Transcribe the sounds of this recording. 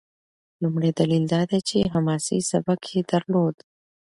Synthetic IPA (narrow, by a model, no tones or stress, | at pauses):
lumɽed̪alild̪ɑd̪at͡ʃeɦamɑsḭsabakʰed̪̥aɾlod̪